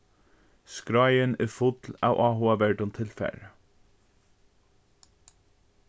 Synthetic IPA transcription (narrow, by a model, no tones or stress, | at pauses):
skɾɑɪəneːfʊd̪lɑ̰ːʊʔɑːhʊɑbæɖʊnt̪ʰɪlfæ̰ɹ